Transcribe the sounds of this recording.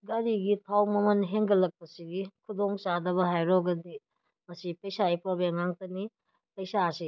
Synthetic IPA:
ɡaɾiɡitʰawmɐmɐnɦeŋɡɐlɐk̚pɐsiɡikʰudoŋt͡ʃadɐβɐɦajɾɔɡɐdi | mɐsipɐjsaipʰoɾbeŋaŋtɐni | pɐjsasi

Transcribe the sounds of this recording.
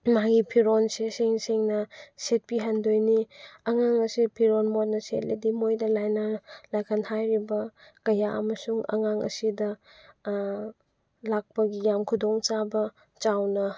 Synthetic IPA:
maɡipʰiɾonseseŋseŋnɐset̚piɦandojniɐŋaŋɐsipʰiɾonmot̚nɐsḛt̚lidimojdɐlajnalajkʰanhajɾibɐkɐjaʔɐ̰mɐsuŋɐ̰ŋaŋɐ̰sidɐ | lak̚pɐɡijamkʰudoŋt͡ʃabɐ | t͡ʃawnɐ

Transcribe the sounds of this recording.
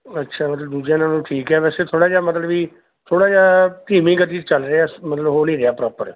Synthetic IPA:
ətːʃʰaːmət̪ləbd̪uːd͡ʒjãːnaːnũːʈʰiːkɛːʋɛːseːt̪ʰoːɽaːd͡ʒaːmət̪ləbiː | t̪ʰoːɽaːd͡ʒaːʈiːmĩːɡət̪iːd͡ʒt͡ʃəlɾeaːmət̪ləbɦoːliːɾeaːpɾɔːpəɾ

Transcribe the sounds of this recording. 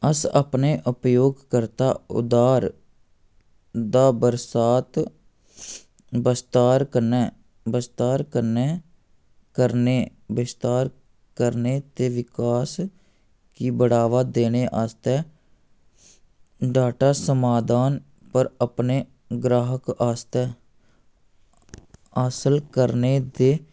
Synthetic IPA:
əsə̰pneːʔʊpjoːɡkəɾt̪aːʊ̰d̪aːɾ | d̪aːbəɾsaːt̪ | bəst̪aːɾkəneː | bəst̪aːɾkəɾneː | kəɾneː | bɪst̪aːɾ | kəɾneːt̪eːʋɪkaːs | kiːbəɽ̤aːʋaːd̪eːneːʔast̪ɛː | ɖaːʈaːsəmaːd̪aːn | pəɾəpneː | ɡɾaːɦəkaːst̪ɛː | aːsəlkəɾneːd̪eː

